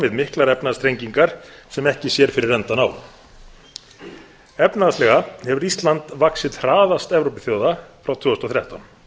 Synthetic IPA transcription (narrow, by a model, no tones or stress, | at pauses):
vɪðmɪhklaɾɛpnast̪ɾejɲciŋkaɾ̥sɛmɛhcɪsjɛɾ̥fɪɾɪrːɛnt̪anaw | ɛpnaslɛɣahɛvʏɾist̪lant̪vaksɪt̪r̥aːðast̪ɛvɾowpɪθjowðafɾawt̪ʰvʏːɔst̪ɔθɾjaht̪an